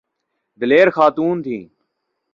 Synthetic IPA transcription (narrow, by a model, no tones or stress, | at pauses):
d̪əleːɾxaːt̪uːnt̪ʰĩː